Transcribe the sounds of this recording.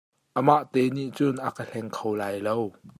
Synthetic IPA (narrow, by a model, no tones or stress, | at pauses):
ʔəmaʔt̪ɛniʔt͡sʊnʔakəɬɛŋkʰowlaːjlow